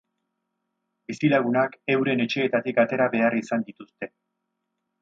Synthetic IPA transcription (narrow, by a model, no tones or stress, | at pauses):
bisilaɣunake̞wɾe̞ne̞t͡ʃe̞ːt̪at̪ikat̪e̞ɾaβe̞arisand̪it̪ust̪e̞